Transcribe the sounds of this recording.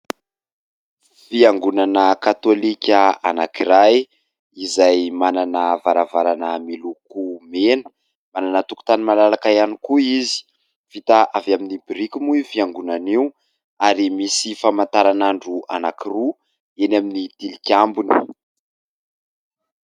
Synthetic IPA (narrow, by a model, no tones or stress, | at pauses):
fiaŋɡunanəkat̪olikʲəanakiɾaj | izajmananəvaɾavaɾanəmilukumenə̥ | mananət̪uku̥t̪animalalakajanikuizi̥ | fit̪aʔavaminibiɾikʲumuifiaŋɡunaniw | aɾimisifamant̪aɾanaɳɖ͡ʐua̰nakiru | enaminit̪ilikʲambuni̥